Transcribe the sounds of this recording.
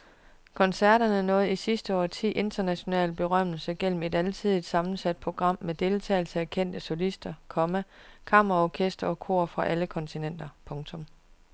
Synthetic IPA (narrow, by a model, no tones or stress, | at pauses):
kʰɒ̽nsæɐɾ̥ɐnənɔ̽ːð̩ˠisisd̥əɒ̰ːt͡sʰḭːʔe̝nd̥ɐnæɕo̝nɛ̰ːlb̥e̝ʁɶm̰l̩səɡ̥el̰m̩e̝dælt͡sʰið̰ˠid̥sɑ̈mn̩sæd̥̚pʰo̝ɡ̥ʁɑ̈m̰med̥e̝lt͡sʰɛ̰ːɪl̩səækʰen̰d̥əsɔ̝lisd̥ɐkʰɒ̽mækʰɑ̈mɐʁɐɒkʰesd̥ɐɒ̽kʰo̝̰ɐ̰fʁɑ̈ʔæləkʰɒ̽nt͡sʰinen̰d̥ɐpʰɔ̽ŋt͡sʰɔ̽m